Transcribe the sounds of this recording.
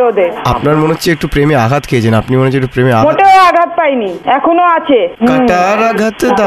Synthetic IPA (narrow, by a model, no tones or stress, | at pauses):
od̪eapnaɾmoneɦotːt͡ɕʰeek̚ʈupɾemeaɡʱat̪kʰejet͡ɕʰenapnimoneot͡ɕek̚ʈupɾemeamoʈeoaɡʱat̪̚pajniɛkʰonoat͡ɕʰekaʈaɾaɡʱat̪d̪a